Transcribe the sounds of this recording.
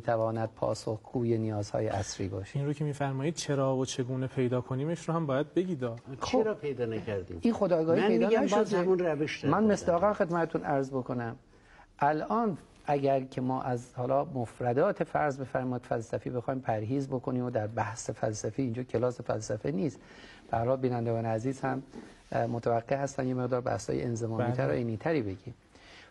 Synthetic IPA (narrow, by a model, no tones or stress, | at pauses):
miːt̪ʰævɒːnæd̪̥̚pʰɒ̰ːsoxɡ̥uːje̞nijɒːzhɒ̰ːjḛʔæsɾḭːbɒ̰ːʃe̥inɾocʰemiːfæɾmɒːiːd̪̚t͡ʃʰeɾɒːvot͡ʃʰe̞ɡuːnepʰe̞jd̪ɒːkʰoniːmeʃɾohæmbːjæd̪̚beɟiːd̪ɒːxt͡ʃoeɾpʰejd̪ɒːnækʰæɾd̪ḭminxod̪ɒːɡɒːhiːedd̪ːæmʃod̪æunræveʃd̪mænmesd̪ɒːɣæmxe̞d̪mæt̪ʰet̪ʰunʔæɾzbokʰo̞næm | ʔælɒːn | ʔæɟæɾcʰe̞mɒːʔæzhɒːlɒːmofɾæd̪ɒːt̪ʰe̞fæɾzbe̞fæɾmɒːjid̪̥fælsæfibe̞xɒːjmpʰæɾɦiːzbo̞kʰoniːmod̪æɾbæhsefælsæfiiːnd͡ʒɒːcʰe̞lɒːse̞fæ̰lsæfeniːst̪ | b̥æhæɾhɒːlbiːnænd̪eɡɒːneæziːzhæmː | ot̪ʰævæɡːehæst̪ænd̪jeme̞ɣd̪ɒːɾbæ̰hshɒ̰ːjeenzemɒːniːt̪ʰæɾo̰ʔeniːt̪ʰæɾiːbe̞ɟiːm